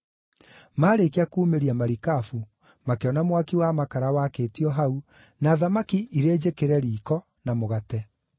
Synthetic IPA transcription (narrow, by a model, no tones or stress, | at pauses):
maːɾekeakuːmeɾiamaɾikafu | makeɔnamwakiwamakaɾawakeːtiɔɦau | naːðamakiʔiɾeːd͡ʑekeɾɛɾiːkɔ | namoɣatɛ